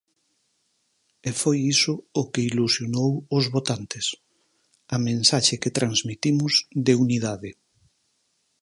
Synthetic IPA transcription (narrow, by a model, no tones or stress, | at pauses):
efojisʊːkeilusjonowʊzβot̪ant̪ɪs | ɐmẽnsaʃeket̪ɾanzmit̪imʊzd̪euniðaðɪ